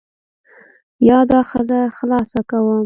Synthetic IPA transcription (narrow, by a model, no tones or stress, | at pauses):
jɑd̪ɑxəzaxlɑsakawəm